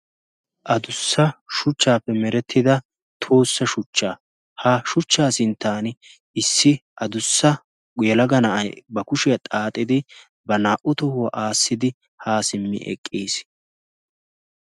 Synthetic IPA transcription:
ʔɐd̪ʊsːɐʃʊt͡ʃːaːpːɛmɛɾɛt̪ʰːɪd̪ɐ | t̪ʰoːsːɐʃʊt͡ʃːaː | haʃʊt͡ʃːaːsɪnt̪ːaːn | ɪsːɪʔɐd̪ʊsːɐ | ɡjɛlɐɡɐnɐʔɐjbɐkʊʃɪjɐt̪ʼaːt̪ʼːɪd̪ɪ | bɐnaːʔʊt̪ɔhʊwɐʔaːsːɪd̪ɪ | haːsɪmːɪ̰ʔɛ̰kʼːiːs

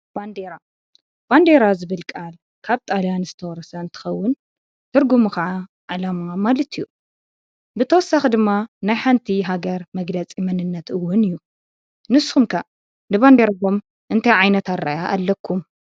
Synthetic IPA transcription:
b̥and̪eɾa | b̥and̪eɾazɨβɨlkʼal | kʰaβt̪ʼaljanzɨt̪ʰɐwɔɾɐsɐɨnt̪ʰɨ̥xɐwːʊn | t̪ʰɨɾɡumuxaʕa | ʕalamuamalɐt̪ʰijːu | bɨt̪ʰɐwɔsːaxd̪ɨmːanajħant̪ʰiɦaɡɐɾmɐɡlɐt͡sʼimɐnɨnːɐt̪ɨwːʊnɨjːu | nɨsːhumkʰa | nɨband̪eɾaom | ʔɨnt̪ʰajʕajnɐt̪ʰaɾːa̰jaʔalːɐkʰːum

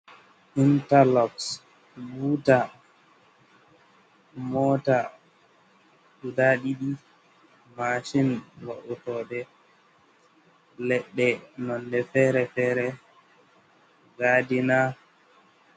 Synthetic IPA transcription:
ʔintalɔps | buːta | mɔta | ɗudaɗiɗi | maʃinwaʔutɔɗɛ | lɛɗːɛnɔndɛfɛːɾɛfɛːɾɛ | ɡaːdina

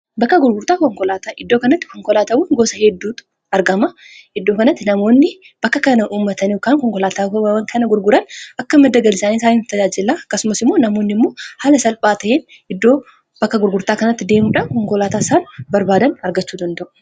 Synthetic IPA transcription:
bɐkːɐɡʊɾɡʊɾt̪aːkɔŋkɔlaːt̪aːʔɪd̪ːo̞ːkɐnɐt̪ːɪ̥kɔŋkɔlaːt̪aːwɐŋɡoːsɐhɛd̪ːuːt̪ | ɐɾɡɐmɐ | ɪd̪ːoːkɐnɐt̪ːɪnɐmo̞ːnːɪ | b̥ɐkːɐkɐnɐʔuːmːɐt̪ɐnɔkːaːŋkɔŋkɔlaːt̪aːwɐwɐŋkʰɐnɐɡʊɾɡʊɾɐnɐkːɐmɐd̪ːɐɡɐlɪsaːniːsaːniːnt̪ːɐd͡ʒaːd͡ʒɪlːaːɐkːɐsʊmɐsɪmːoːnɐmo̞ːnːɪmːo̞ːhaːlɐsɐlpʼaːt̪ɐʔeːn | ɪd̪ːoː | b̥ɐkːɐɡʊɾɡʊɾt̪aːkɐnɐt̪ːɪd̪e̞ːmuːᶑaːnkɔŋkɔlaːt̪aːsaːnbɐɾbaːd̪ɐnɐɾɡɐt͡ʃːuːd̪ɐnd̪ɐʔʊ̥

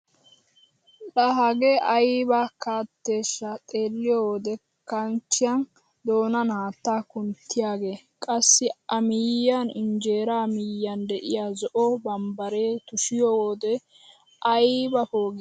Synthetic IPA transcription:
lɐɦɐɡeʔɐjbakaːt̪ːe̞ːʃːɐt̪ʼe̞ːlːɪjoːwoːd̪ɛ | kɐnt͡ʃːɪjɐn | d̪o̞ːnɐnaːt̪ːaːkʊnt̪ʰːɪjaːɡe̞ːkʼɐsːɪɐmɪjːanɪ̰nd͡ʒe̞ːɾaːmijːand̪ɛʔɪjaːzɔʔɔbɐmbɐɾeːt̪ʊʃɪjoːwoːd̪ɛ | ʔɐjbɐfoːɡɪ

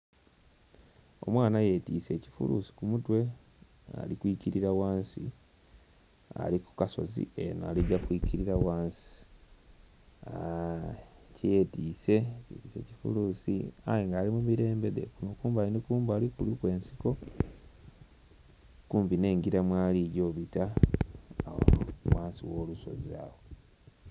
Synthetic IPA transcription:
o̞̰mwaːnaje̞ːtiːse̞ːci̥fṵlṵsi̥kumutwe̞ | a̰likuiciɾiɾawaːnsḭ | a̰liku̥kaso̞̰zḭena̰ːliɟːakwiciɾiɾawaːnsi̥ | a | cije̞tiːse̞citise̞̰cifṵlusḭa̰jeŋɡaːlimumiɾe̞ːmbe̞ðe̞̰kunokuːmbainikuːmbaːlikulikwe̞ːnsi̥ko̞ | kuːmbine̞ːŋɡiɾamwaːliɟo̞ːβita | waːnsiwo̞ːluso̞̰zia̰ːwo

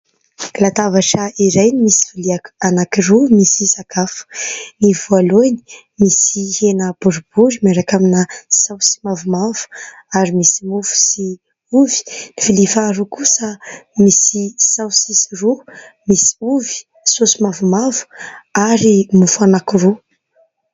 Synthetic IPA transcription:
lat̪avaʈ͡ʂəiɾajnimisi̥filiakanakiɾumisisakafu̥nivualoni̥ | misihenəb̥uɾub̥uɾimaɾakaminəsawsi̥mavumavu̥aɾimisimufu̥si | uvi̥nifilifaɾukusəmisisawsisirumisi̥uvi̥ | sosimavumavu̥aɾimufanakiru

